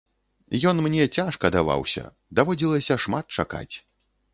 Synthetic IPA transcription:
jɔnmnʲɛt͡sʲaʂkɐd̪ava̰wsʲɐ̰ | d̪avɔd͡zʲilˠɐsʲɐʂmat̪̚t͡ʂaka̰t͡sʲ

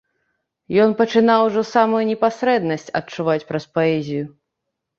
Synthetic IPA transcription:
jɔnpɐt͡ʂɨnawʐɔsamujunʲɛpasɾɛd̪nɐsʲt͡sʲɐ̰t͡ʂuvat͡sʲpɾɐspaɛzʲiju

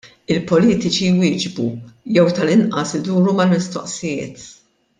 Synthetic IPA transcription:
ɪlpɔliːt̪ɪt͡ʃijwɪːd͡ʒbṵjɛwt̪ɐlɪnʔɐsɪd̪uːɾumɐlmɪst̪ɔ̰ʔsɪjɪ̰ːt̪

